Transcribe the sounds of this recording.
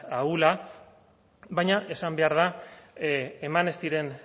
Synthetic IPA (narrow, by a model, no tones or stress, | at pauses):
aula | βajɲaʔe̞sambe̞aɾð̞a | emane̞st̪iɾe̞n